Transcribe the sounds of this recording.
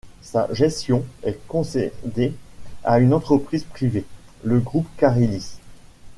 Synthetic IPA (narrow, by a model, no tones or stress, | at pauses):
sa̰ʒɛst̪jɔ̃ɛkɔ̃sed̪eaynɑ̃t̪χəpχizpχiveləɡʁupkaʁilis